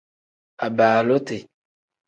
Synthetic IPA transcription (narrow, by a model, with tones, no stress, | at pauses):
a˨baː˨lo˦te˨